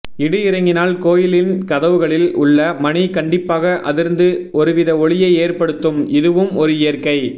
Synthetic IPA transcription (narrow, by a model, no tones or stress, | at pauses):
ɪɽɯɪɾɐŋɡɪnaːlkoːjɪlɪnkɐðɐʋɯɣɐɭɪlʊɭːɐmɐnɪkɐɳɖɪpːaːɣɐʔɐ̰ðɪɾnd̪ɯɔɾɯʋɪðɐɔɭɪjɐɪeːrpɐɽɯt̪ːɯmɪðɯʋɯmɔɾɯɪjɐɾkɐɪ